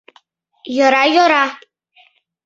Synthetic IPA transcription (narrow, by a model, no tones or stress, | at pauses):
joɾajoɾa